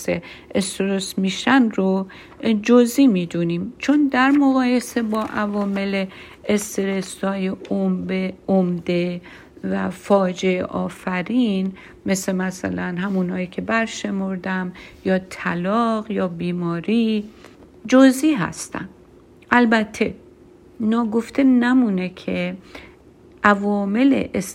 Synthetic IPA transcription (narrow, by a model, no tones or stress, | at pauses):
seest̪eɾosmiʃænɾo | d͡ʒoziːmiːd̪uniːmt͡ʃʰond̪æɾmoɣɒːje̞se̞bɒːʔævɒːmele | est̪eɾesɒːjeombeomd̪e | væfɒːd͡ʒe̞eʔɒːfæɾin | mesemæsæ̰lænɦæmunhɒːjiːkʰe̞bæɾʃe̞moɾd̪æmjɒːt̪ʰælɒːɣjɒːbiːmɒːɾi | d͡ʒoziːɦæ̰st̪æ̰n | ʔælbæt̪ʰːe̞ | nɒːɡo̞ft̪ʰe̞næmunekʰe | ʔævɒːme̞lḛʔes